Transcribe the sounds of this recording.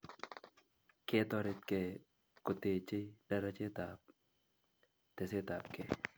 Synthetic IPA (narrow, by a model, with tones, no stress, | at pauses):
ke˦t̪ɔ˧ɾɪ˦t̪̚ke˨ | kʊ˨t̪e˨t͡ʃɪ˦da˦ɾa˦t͡ʃɪ˦t̪a˨p̚ | t̪ɛ˨se˦t̪a˨p̚kɛ˦